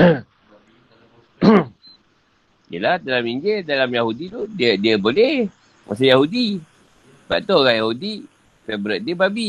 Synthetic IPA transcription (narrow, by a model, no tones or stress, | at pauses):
jəlahdalamiɲd͡ʒɪdalamjaɦudit̪udiədiəbolɛh | mʔa̰s̬ajaɦudi | ba̰ʔt̪oɡaʔjaɦudi | fɛbɾət̪̚diəbabi